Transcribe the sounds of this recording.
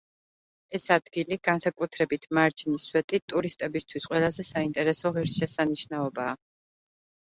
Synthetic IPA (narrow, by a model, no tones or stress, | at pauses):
ɛsad̪ɡiliɡ̥ansakʼut̪ʰɾɛbit̪ʰmaɾd͡ʒiniswɛt̪ʼit̪ʼuɾist̪ʼɛbist̪ʰwisqʼwɛlˠazɛsaint̪ʼɛɾɛsɔʁiɾsʃɛsaniʃnaɔbaː